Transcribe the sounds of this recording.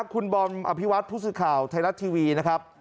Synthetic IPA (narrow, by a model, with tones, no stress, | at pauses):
kʰu˧nbɔː˧nʔa̰˧˩pʰi˦˥wa˦˥t̪̚pʰuː˦˥˩sɯː˨˩kʰaː˨˩wt̪ʰa˧jɾa˦˥t̪ʰiː˧wiː˧na˦˥kʰɾa˦˥p̚